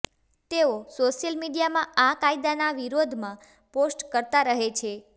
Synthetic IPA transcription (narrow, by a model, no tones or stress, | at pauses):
t̪eosoʃjəlmiɖijamãakaid̪anaʋiɾod̪ʱmã | posʈkəɾt̪aɾəɦet͡ʃʰe